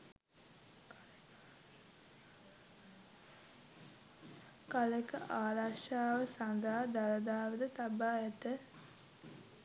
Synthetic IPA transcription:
kaləkəʔaːlaʃaːʋəsand̪aɦd̪aləd̪aːʋəd̪ət̪abaːɛt̪ə

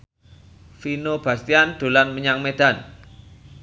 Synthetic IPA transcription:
finob̥a̤st̪iand̪̥o̤lanməɲaŋmed̪̥a̤n

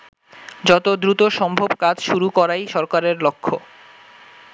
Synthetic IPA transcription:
d͡ʑɔt̪od̪ɾut̪oʃɔmbʱobkad͡ʑʃuɾukɔɾajʃɔɾkaɾeɾlokʰːo

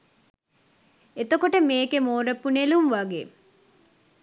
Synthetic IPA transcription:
et̪okoʈəmeːkemoːɾəpːunelumʋaɡeː

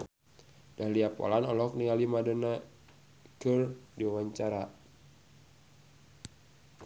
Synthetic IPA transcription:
dahliapɔ̰lanɔlɔk̚niŋalimadəna | kərdiwawaɲt͡ʃaɾa

